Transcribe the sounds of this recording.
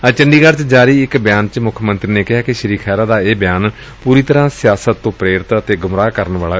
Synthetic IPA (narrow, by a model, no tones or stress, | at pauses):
ət͡ʃəɳɖiːɡəɾt͡ʃd͡ʒaːɾiːɪkbjaːnt͡ʃmʊkʰmənt̪ɾiːneːkɪɦaːkɪʃəɾiːkʰɛːɾaːd̪aːeːbjaːn | puːɾiːt̪əɾãːsɪjaːsət̪ːõːpɾeːɾɪt̪ət̪eːɡʊmɾaːkəɾənʋaːlaː